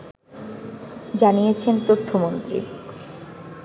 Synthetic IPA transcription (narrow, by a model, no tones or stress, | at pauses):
d͡ʑanijet͡ɕʰent̪ot̪ʰːomont̪ɾḭ